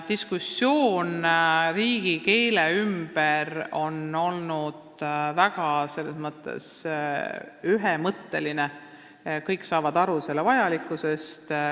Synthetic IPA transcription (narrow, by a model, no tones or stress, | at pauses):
t̪iskusːjo̞ːnriːɡ̥ike̞jleymb̥ero̞no̞lnud̪̥væɡ̥ɑse̞lːe̞smɤt̪ːˑḛs | yɦemɤt̪ːe̞line | kɤjkːsɑːvɑd̪̥ɑɾuse̞lːevɑjɑlikːˑuse̞st̪